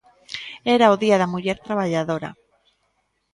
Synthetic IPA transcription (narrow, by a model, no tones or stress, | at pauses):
eɾaoðiaðamuʎeɾt̪ɾaβ̞aʎaðoɾa̰